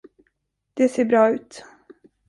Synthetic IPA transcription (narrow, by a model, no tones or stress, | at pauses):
d̪̥ɛseːɾbɾɑːʉ̟ːt̪